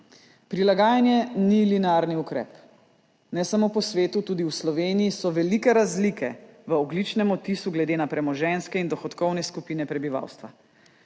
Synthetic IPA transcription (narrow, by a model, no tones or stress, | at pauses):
pɾilaɡaːjanjɛnilinaɾniukɾɛ̰ːp | nɛsamopɔsʋeːt̪ut̪ud̪iwslɔʋeːnijisɔʋɛlikɛɾazlikʰɛʋəɔɡlit͡ʃnɛmɔt̪isuɡlɛd̪eːnapɾɛmɔʒɛnskɛind̪ɔxɔt̪kɔwnɛskupinɛpɾɛbiʋa̰wst̪ʋa